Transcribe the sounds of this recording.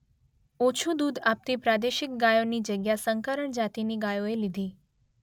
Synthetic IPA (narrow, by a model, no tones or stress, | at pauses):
ot͡ʃʰud̪ud̪ap̚t̪ipɾad̪eʃɪk̚ɡajonid͡ʒəɡjasəŋkəɾəɳd͡ʒat̪iniɡajoelid̪ʱi